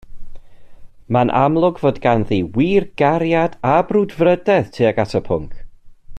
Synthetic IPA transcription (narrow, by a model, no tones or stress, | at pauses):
manʔa̰mlˠʊɡvoːdɡanðiwiːrɡ̥aɾjadabrʊdvrədɛð̥tʰiːaɡatʰəpʰʊŋkʰ